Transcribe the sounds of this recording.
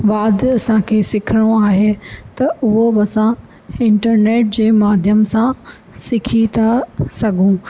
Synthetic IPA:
ʋaːd̪ɐsãkʰeːsɪkʰɪɽ̃oaːɦet̪ɐʊɦobɐsã | ɪ̃ɳʈəɾneːʈ̚d͡ʑeːmaːd̪ʱjəmsã | sɪkʰit̪ʰasɐɡʱũː

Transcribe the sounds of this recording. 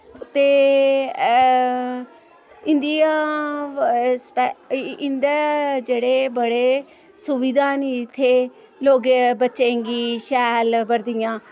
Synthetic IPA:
t̪eː | ɪnd̪ijãː | spɛɪnd̪eːd͡ʒeːɽeːbəɽeː | sʊʋid̪ãːniɪt̪ʰːeː | loːɡebətːʃẽŋɡiːʃɛːlbəɾd̪ɪjãː

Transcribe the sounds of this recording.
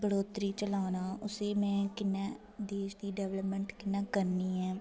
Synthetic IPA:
bəɽoːt̪ɾiːt͡ʃəlaːnaːʊseːmɛ̃ːkɪnːɛː | d̪eːʃd̪iːɖɛːʋləpmə̃ɳʈkɪnːaːkəɾniːɦɛː

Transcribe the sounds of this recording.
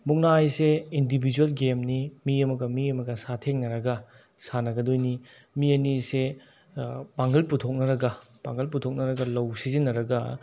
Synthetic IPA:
muŋnajseindibʱid͡ʒuelɡemnimiɐmɐɡɐmiɐmɐɡɐsatʰeŋnɐɾɐɡɐ | sanɐɡɐdojni | miɐnise | paŋɦɐlputʰok̚nɐɾɐɡɐ | paŋɡɐlp̬utʰok̚nɐɾɐɡɐlɐwsizinːɐɾɐɡɐ

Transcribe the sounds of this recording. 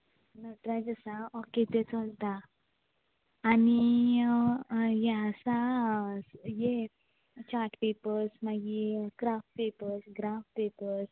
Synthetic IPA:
nət̪ɾad͡zəsaɔket̪et͡səlt̪a | ni | jesa | je | t͡ɕaɾʈpepəɾsmaɡikɾafʈ̚pepəɾsɡɾafʈ̚pepəɾs

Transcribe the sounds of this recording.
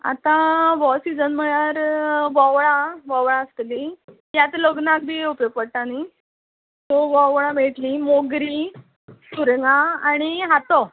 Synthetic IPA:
a̰t̪ãʋɔsid͡zənm̤əɭaɾʋɔʋɭaʋɔʋɭãəst̪li | jat̪loɡnak̚bʱiupjoɡ̚pəɽʈani | t̪ɔʋɔʋɭãmeʈlimoɡɾi | suɾŋaaɽ̃iɦat̪o

